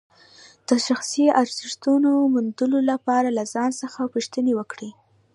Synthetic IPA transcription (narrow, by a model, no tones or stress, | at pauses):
d̪̥əʃaxsiaɾz̥ɪʃt̪unomʊnd̪əlolapɑɾalazɑnsəxapuʃt̪ənewəkɽi